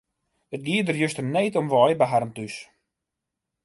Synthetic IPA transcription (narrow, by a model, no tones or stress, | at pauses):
ət̚ɡiːədərjøstərneːtɔmʋɔjbəɦarntys